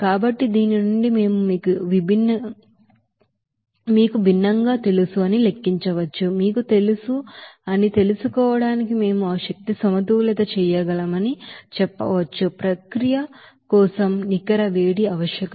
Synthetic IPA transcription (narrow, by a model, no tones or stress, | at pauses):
kaːbɐʈːid̪iːninuɳɖime̞ːmumiːkuʋibʱinːɐ | miːkubʱinːɐŋɡaːt̪e̞lusuɐnile̞kːiɲt͡ʃɐʋɐt͡ʃːumiːkut̪e̞lusuɐnit̪e̞lusukɔːʋɐɽaːnikime̞ːmuɐʋɐʃɐk̚t̪isɐmɐt̪ulɛd̪ɐt͡ʃɛjɐɡɐlɐmɐnit͡ʃɛpːɐ̰ʋɐt͡ʃːupɾɐkɾijɐ | kɔːsɐmnikɐɾɐʋe̞ːɽiɐʋɐʃjɐkɐ